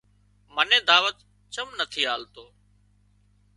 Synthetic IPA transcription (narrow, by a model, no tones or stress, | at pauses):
mənẽːd̪aːʋət̪ | t͡ʃəmnət̪ʰiːɦaːlt̪oː